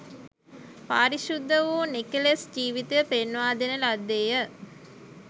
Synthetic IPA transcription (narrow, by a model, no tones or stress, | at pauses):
paːɾiʃud̪ːəʋuːnikelesd͡ʒiːʋit̪eəpenʋaːd̪enəlad̪ːeːjə